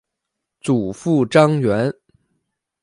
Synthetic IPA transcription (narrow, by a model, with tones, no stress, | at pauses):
t͡su˨˩fu˥˩ʈ͡ʂɑ˥ŋɥɛ˧˥n